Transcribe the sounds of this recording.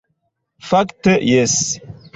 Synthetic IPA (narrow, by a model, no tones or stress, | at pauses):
faktəjɛs